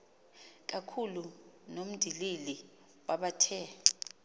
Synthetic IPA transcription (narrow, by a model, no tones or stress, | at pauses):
k̬akʰulunom̩d̥ʱilili | wʔaɓatʰɛ